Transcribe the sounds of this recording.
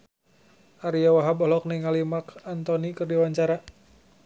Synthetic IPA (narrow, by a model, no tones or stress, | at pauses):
ʔaɾiawaɦabɔɦlɔk̚nɛŋalimakant̪ɔnikɨrdiwaɲt͡ʃaɾa